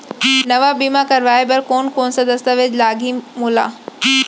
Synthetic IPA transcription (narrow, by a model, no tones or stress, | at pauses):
nɐʋabiːmakɐɾʋaːebɐɾkoːnkoːnsad̪ɐst̪aʋed͡ʑlaːɡʱimuːla̰ː